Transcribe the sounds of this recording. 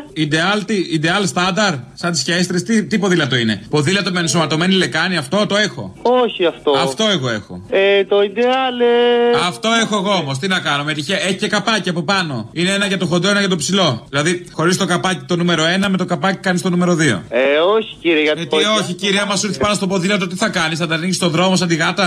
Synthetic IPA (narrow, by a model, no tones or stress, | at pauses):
id̪e̞ɐlt̪iid̪eɐlst̪ɐnd̪ɐɾsɐnt̪isçest̪ɾest̪it̪ipo̞ðilɐt̪o̞ine̞po̞ðilɐt̪omensomɐt̪o̞me̞nile̞kɐniɐft̪o̞t̪oe̞xo̞̰oçiɐft̪oɐft̪o̞e̞ɣo̞e̞xo̞̰et̪oid̪eɐlɐft̪o̞exo̞eɣoomost̪inɐkɐnomet̪içeʔeçi̥ce̞kɐpɐciɐpo̞pɐno̞ineenɐʝɐt̪o̞xod̪e̞nɐʝɐt̪o̞psilo̞ðilɐðixo̞ɾist̪o̞kɐpɐcit̪o̞nume̞ɾo̞e̞nɐme̞t̪o̞kɐpɐci̥kɐnist̪o̞nume̞ɾo̞ðio̞̰eoçi̥ciɾieʝɐɐt̪ioçiciɾiɐmɐsuɾθi̥pɐnost̪o̞po̞ðilɐt̪̬ot̪iθɐkɐnisθɐnd̪ɐniʝist̪oðɾo̞mos̬ɐnd̪iɣɐt̪ɐ